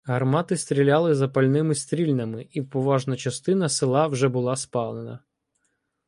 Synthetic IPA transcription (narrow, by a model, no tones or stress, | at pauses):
ɦɐrmɑt̪ɪst̪ɾʲilʲɑlˠɪzɐpɐlʲnɪmɪst̪ɾʲilʲnɐmɪiwpɔʋɑʒnɐt͡ʃɐst̪ɪnɐsɪlˠɑwʒɛbʊlˠɑspɑlˠenɐ̰